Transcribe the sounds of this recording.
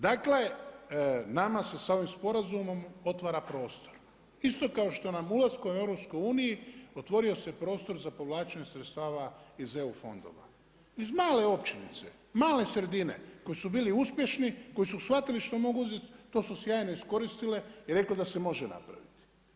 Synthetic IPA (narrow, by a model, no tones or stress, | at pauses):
d̪akle̞ | namase̞sao̞ʋimspo̞ɾazumo̞mo̞t̪ʋaɾapɾo̞ːst̪o̞̥ɾ | ist̪o̞kao̞ʃt̪o̞namulaskome̞ʋɾo̞pskojuːnijio̞t̪ʋo̞ɾio̞sepɾo̞ːst̪o̞ɾzapo̞ʋlaːt͡ʃaɲesɾet̪st̪aːʋaize̞ufo̞̰nd̪o̞̰ʋa̰ | izmaːle̞o̞pt͡ʃinḭt̪se̞̰ | maːle̞sɾe̞d̪ine̞̰ko̞jisubiːliuspje̞ʃniko̞jisusxʋat̪iliʃt̪o̞mo̞ɡuuzet̪t̪o̞ːsusjaːjno̞isko̞ɾist̪ile̞iɾe̞kled̪asemo̞ʒena̰pɾa̰ʋit̪i̥